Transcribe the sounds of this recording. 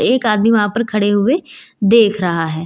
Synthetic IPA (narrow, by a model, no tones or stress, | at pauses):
eːkaːd̪miʋɐɦãpɐɾkʰɐɽeɦʊed̪eːkʰɾɐɦaɦɛː